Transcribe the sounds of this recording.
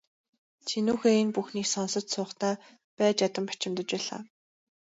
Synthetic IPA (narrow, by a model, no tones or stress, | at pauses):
t͡ɕʰinuːxenpuxniːksɔnsɞ̆t̪sʊːχt̪æː | pæːt͡ɕjat̪ə̆mpḁt͡ɕɪ̆mt̪ə̆t͡ɕpæːɮa̰ː